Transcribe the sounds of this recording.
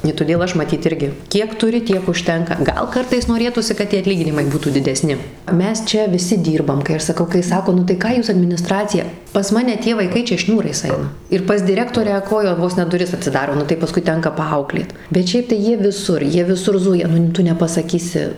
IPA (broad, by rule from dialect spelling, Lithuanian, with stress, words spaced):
ɪ tʊˈdʲeːlˠ ˈɐʃ mɐˈtʲiːt ˈɪrʲɡʲɪ ˈkʲiɛk tʊˈrʲɪ ˈtʲiɛk ʊʃʲˈtʲɛŋkɐ ˈɡɐlˠ ˈkɐrtɐɪs noːˈrʲeːtuːsʲɪ kɐt ˈtʲiɛ ɐtʲˈlʲiːɡʲɪnʲɪmɐɪ ˈbuːtuː dʲɪdʲɛˈsʲnʲɪ ˈmʲɛs ˈt͡ʃʲɛ ʋʲɪˈsʲɪ ˈdʲiːrbɐm kɐɪ ˈɐʃ sɐˈkɐʊ kɐɪ ˈsɑːkoː nʊ ˈkɑː ˈjuːs ɐdʲmʲɪnʲɪˈstrɑːt͡sʲɪjɛ pɐs ˈmɑːnʲɛ tʲiɛ ʋɐɪˈkɐɪ ˈt͡ʃʲɛ ˈʃʲnʲuːrɐɪs ˈɐɪnɐ ɪr pɐs dʲɪˈrʲæːktoːrʲæː ˈkoːjɛ ˈʋoːs nʲɛ dʊˈrʲɪs ɐtʲsʲɪˈdɑːroː ˈnʊ tɐɪ pɐˈskʊɪ ˈtʲɛŋkɐ pɐˈɐʊklʲeːt bʲɛt ˈʃʲɛɪp tɐɪ ˈjiɛ ʋʲɪˈsʊr ˈjiɛ ʋʲɪˈsʊr ˈzʊjɛ ˈnʊ ˈtʊ nʲɛpɐsɐˈkʲiːsʲɪ